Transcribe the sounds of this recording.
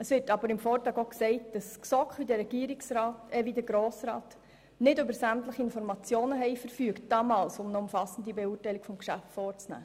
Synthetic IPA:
əsʋɪɾtɑbəɾɪmfoːɾtɾɑːɡoksɛɪt̚d̥ɑsksɔkχʋidəɾːɛɡ̥iːəɾɪksɾɑːtɛʋidəɡɾoːsɾɑːt | nɪdøbəɾsæmtləχiɪnfɔɾmɑt͡sjoːnəɦɛɪfəɾfyəkt̚d̥ɑːmɑːlsʊmnəʊmfɑsən̩dibɛuːrtɛɪlɪkfɔmkʃæftfɔːɾt͡snæ̰ː

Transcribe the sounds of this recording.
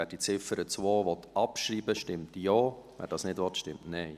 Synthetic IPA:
ɛːd̥it͡sɪfəɾət͡sʋoːʋɔt̪ɑpʃɾiːbəʃtɪmtjɔːvɛ̰dɑːsnɪdʋɔt̪ʃtɪmtnɛɪ

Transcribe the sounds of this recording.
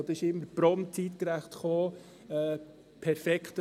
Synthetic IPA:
d̥̪ɔɪʃɪmːəpɾɔmt͡siːtkɾæχt̪χoː | ɛ | pʰɛɾfɛkχt

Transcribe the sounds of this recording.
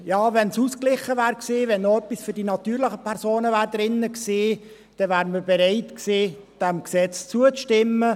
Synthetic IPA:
jɑːvɛnsusklɪχəvæːɾkseːvɛnːoœpːisfyɾdinɑt̪yːɾlɪχəpʰɛɾsoːnəvæːɾdɾɪnːəkseː | d̥ɛvæːɾməɾbɛɾaɪtkseːd̥æmksɛt͡st͡suət͡sʃtɪmːə

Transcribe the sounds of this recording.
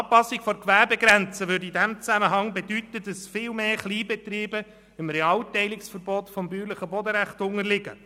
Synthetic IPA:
ɑpɑsːɪkfɔɾkʋæɾbeɡɾænt͡səʋødidæmt͡sæməɦɑŋbedytəd̥ɑsfɪlmeːχliːbɛt̪ɾiːbə | ɪmɾɛɑːltɛɪlɪksfəɾbɔtfɔmbyːɾləχəbɔdəɾæχtʊŋəlɪɡə̰

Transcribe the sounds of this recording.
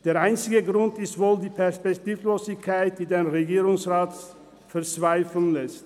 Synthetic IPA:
d̥eːɐʔaɪnt͡sɪɡəɡʁʊntɪstv̥oːldiːpʰɛɐspɛktiːfloːzɪçkʰaɪt̚d̥iːdeːnʁeɡiːʁʊŋsʁaːt | fɛɐt͡sv̥aɪfl̩nlɛst

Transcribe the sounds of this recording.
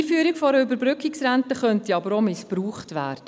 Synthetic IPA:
fyːəɾikfɔɾəʏbəɾbɾʏkːɪksɾæntəχœntiɑbəɾomɪspruːχtʋæ̰ːrd̥ə

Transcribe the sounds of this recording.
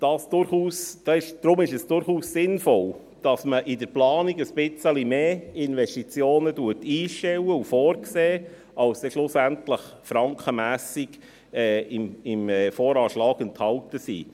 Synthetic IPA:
d̥ɑːsd̥ʊɾχuːsd̥ɑːɪʃd̪̥ɾʊmɪʃɛsd̥ʊɾχuːssɪnfɔl | d̥ɑsməʔɪdəɾplɑːniɡəsb̥ɪt͡səlimeːɪnʋɛʃtit͡sjoːnəduətiːʃtɛwəufɔːɾkseː | ɑlsd̥ɛʃlʊsæntləχ | fɾɑŋkχəmæːsiɡ | ɛːɪmɪmɛfɔːɾɑːʃlɑːɡənthɑltəsḭː

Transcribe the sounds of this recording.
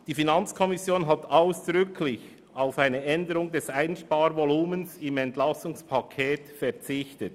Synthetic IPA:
d̥iːfinɑnt͡skʰɔmɪsjoːnɦataʊsd̥ʁʏkʰlɪç | aʊfaɪnəʔɛndəʁʊŋdɛsaɪnʃpɑːɾvoluːmənsɪmɛntlɑsʊŋspʰɑkʰɛːtfɛɐt͡sɪçtət

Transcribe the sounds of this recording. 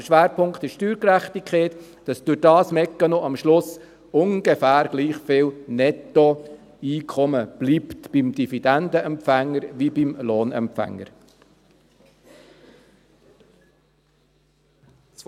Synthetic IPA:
ʃʋæːɾpʰʊŋkt̪ɪʃtyːɾkɾæχt̪ikχeːt̪ | d̥ɑsd̥ʊɾd̥ɑːsmɛkːənoʔɑmʃlʊs | ʊŋɡ̥efæːɾɡ̥liːχfɪːlnɛt̪ɔ | iːkʰɔməb̥liːpt̪b̥imd̥ifid̥̪ænd̪əʔɛmpfæŋːəɾʋibimloːnɛ̰mpfæ̰ŋːə̰ɾ

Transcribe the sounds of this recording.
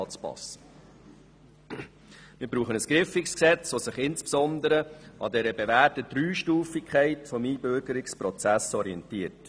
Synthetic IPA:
t͡spɑ̰s | mɪɾbɾuːχənəsɡ̥ɾɪfɪksksɛt͡sʋosɪχɪnspsɔnd̪əɾəʔɑ̰dɛɾəbeʋæːtədɾyːʃtuːfɪkʰχɛɪtfɔmiːbøɾɡəɾɪkspɾɔt͡sæsɔɾiɛntiːəɾt

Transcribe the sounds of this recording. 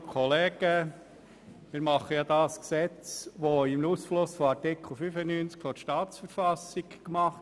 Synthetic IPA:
kʰɔleːɡ̥ə | mɪɾmɑχəjɑːd̪ɑsksɛt͡sʋoɪmnuːsflʊsfoɑɾtɪkʰl̩ˠfyfənyːnt͡skfɔʃtɑːtt͡sfəɾfɑsɪkkmɑχt

